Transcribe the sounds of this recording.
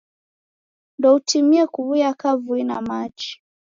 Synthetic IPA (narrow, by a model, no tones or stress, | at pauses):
ndɔutʰimiɛkuβujakavuina̰mat͡ʃi̥